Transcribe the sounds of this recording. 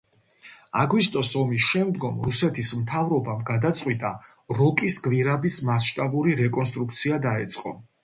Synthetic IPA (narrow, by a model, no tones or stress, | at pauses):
aɡwist̪ʼɔsɔmisʃɛmd̪ɡɔmɾusɛt̪ʰismt̪ʰavɾɔbamɡad̪at̪sʼqʼwit̪ʼa | ɾɔkʼisɡviɾabismasʃt̪ʼabuɾiɾɛkʼɔns̬t̪ʼɾukʰt̪sʰiad̪aɛt̪sʼqʼɔ